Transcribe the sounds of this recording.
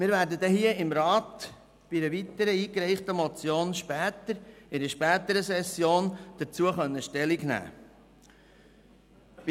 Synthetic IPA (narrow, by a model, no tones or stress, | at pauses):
mɪːɾvæːɾdəd̪ɛhiəɪmɾɑːt̪ | b̥idəʋit̪əɾəiːkɾɛɪχt̪əmɔt͡sjoːnʃpæːt̪əɾɪɾəʃpæːt̪əɾəsɛsjoːnd̥əɾt͡suəχœnːəʃtɛliɡnæ̰ː